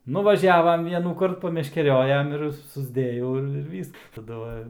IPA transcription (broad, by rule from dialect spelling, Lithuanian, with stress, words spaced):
nʊʋɐˈʒʲæːʋɐm ˈʋʲiɛnuːkɐrt pɐmʲɛʃʲkʲɛˈrʲoːjɛm ɪr sʊzʲˈdʲeːjɛʊ ˈɪr ɪr ˈʋʲiːsk tɐˈdʊ ʋɐ